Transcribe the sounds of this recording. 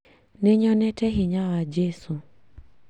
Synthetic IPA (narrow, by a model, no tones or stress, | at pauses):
neɲɔnɛtɛɦɪɲawad͡ʒesu